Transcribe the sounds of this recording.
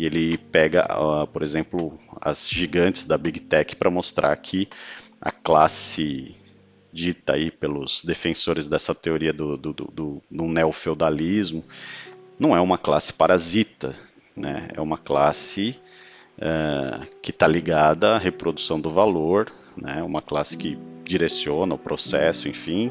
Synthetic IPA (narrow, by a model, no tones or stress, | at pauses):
ɪelɪpɛɡɐ̰apoɾezẽmplʊɐ̰zʒiɡɐ̃t͡ʃɪ̥zd̪ɐbiɡt̪ɛkɪ̥pɾɐmost̪ɾʔa̰ɾkʰɪɐ̰klasɪ | d͡ʒit̪ɐa̰ipelʊz̥d̪efẽsoɾɪzd̪ɛsɐt̪eoɾiɐd̪ʊd̪ʊʊd̪ʊd̪ʊneofewd̪alizmʊnɐ̃w̃ɛũmɐkla̰sɪ̥paɾazit̪ɐ | nɛ̰ɛ̰ũmɐkla̰sɪ | ɛkɪt̪aliɡad̪ɐːɦepɾod̪usɐ̃w̃d̪ʊvaloɾ | nɛũmɐklasɪ̥kɪd͡ʒiɾesiõnɐʊpɾosɛsʊẽfĩ